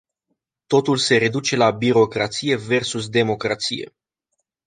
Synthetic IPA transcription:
t̪o̞t̪ulse̞ɾe̞d̪ut͡ʃe̞labiɾo̞kɾat̪sije̞ve̞rsus̬d̪e̞mo̞kɾat̪sije̞̰

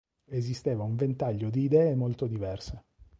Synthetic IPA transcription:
ezist̪eːvauɱvent̪aʎːod̪iːd̪ɛːemolt̪od̪ivɛrse

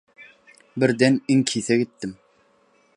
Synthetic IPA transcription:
bɪɾd̪ɛniŋkʰiθɛɡɪt̪ːɪm

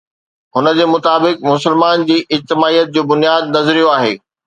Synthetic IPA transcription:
ɦʊnə̆d͡ʑeːmʊt̪aːbɪkmʊs̬ɪlmaːnd͡ʑiːʔɪd͡ʑt̪ɪmaːijət̪̚d͡ʑoːbʊnijaːd̪nɐzɾijoaːɦḛː

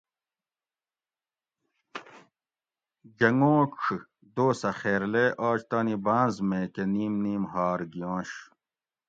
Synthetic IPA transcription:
d͡ʑɐŋõːkʂʰ | d̪oːsɐxeːɾleʔaːt͡ɕt̪aːnibãːnzmẽːkeniːmniːmɦaːɾɡijõːɕ

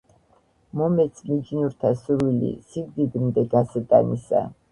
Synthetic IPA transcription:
mɔmɛt̪sʰmid͡ʒnuɾt̪ʰasuɾwilḭsiɡd̪id̪md̪ɛɡasɾd̪ʼa̰nisa̰

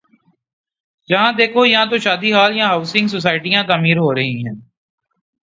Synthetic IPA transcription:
d͡ʒɐɦãːd̪eːkʰojɐɦãːt̪oʃaːd̪iɦaːljãɦaːʊsɪ̃ŋɡs̬os̬aːɪʈijãt̪aːmiːɾɦoːɾɐɦiɦɛ̃ː

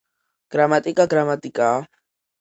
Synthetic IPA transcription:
ɡ̥ɾamat̪ʼikʼaɡɾamat̪ʼikʼa

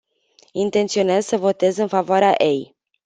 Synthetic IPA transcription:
int̪e̞nt̪sio̞nezsəvo̞t̪e̞zɨnfavoaɾeaʔej

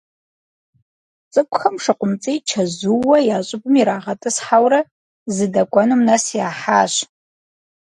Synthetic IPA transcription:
t͡sʼɨkʷʼxɐmʂɨqʷʊmt͡sʼejt͡ʃʰɐzuwɐjaːɕʼɪbɨmiɾaːʁɐtʼɨsħawɾɐ | zɨdɐkʷʼanumnasjaːħaːɕ

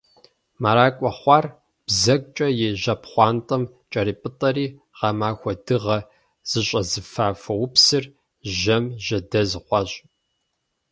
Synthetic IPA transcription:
maɾaːkʷʼɔχʷɑːr | b̥zɐɡ̚ʷt͡ʃʼɐjeːʑɐpχʷɑːntʼɐm | t͡ʃʼɐriːpʼɨtʼɐɾiː | ʁɑmaːxʷɔdɨʁɐ | z̥ɨɕʼɐzɨfaːfɐwʊpsɨr | ʒɐmʒɐdɐzɨqʷɑɕʼ

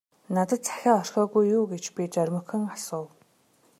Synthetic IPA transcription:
nat̪ə̆t̪̚t͡sḁxʲaːɔr̥xɔːɣujːuːɡet͡ɕpʲit͡ɕœɾʲmɵ̆xɘ̆ŋasʊːw

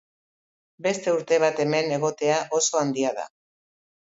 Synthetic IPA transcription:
be̞st̪e̞uɾt̪e̞β̞at̪e̞me̞ne̞ɣ̞o̞t̪e̞aʔo̞so̞and̪iaða̰

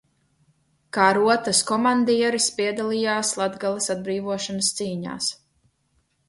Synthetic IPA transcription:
kaːɾuɔt̪askɔmand̪iɛɾispiɛd̪alˠijaːslˠad̪ɡalˠisad̪̚bɾiːvuɔʃɔnɐst̪siːɲa̰ːs

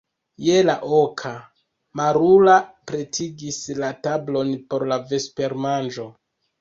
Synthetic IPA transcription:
je̞laʔokʰa | maɾulapɾe̞tʰiɡislatablo̞npo̞ɾlave̞spe̞ɾmand͡ʒo̞

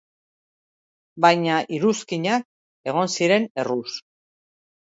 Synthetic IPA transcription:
bajɲaʔiɾuskiɲak̚ | e̞ɣ̞o̞nsiɾe̞ne̞rus

